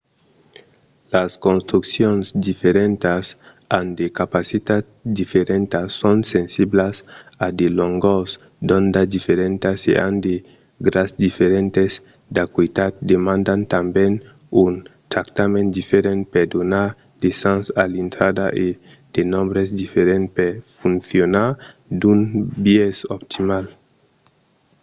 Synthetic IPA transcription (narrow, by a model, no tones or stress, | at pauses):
laskõnst̪ɾuksjõnzd̪ifeɾẽnt̪as | and̪ekapasit̪at̪d̪ifeɾẽnt̪asõnsẽnsiblasad̪eloŋɡoz | d̪õnd̪ad̪ifeɾẽnt̪asḛʔa̰nd̪e | ɡɾasd̪ifeɾẽnt̪ez | d̪akwit̪at̪̚d̪emãnd̪ant̪ambẽn | unt̪ɾakt̪amẽnd̪ifeɾẽn̚ped̪onaɾ | d̪̥esãnsalint̪ɾad̪aʔe | d̪̥enɔ̃mbɾezd̪ifeɾẽnt̪peɾfũnθjonaɾ | d̪unbieso̰pt̪imal